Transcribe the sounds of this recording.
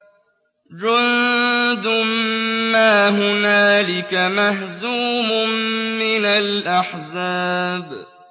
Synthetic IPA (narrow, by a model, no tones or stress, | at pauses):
d͡ʒʊnd̪ʊmmaːɦʊnaːlɪkamaɦzuːmʊmɪnalʔaħzaːb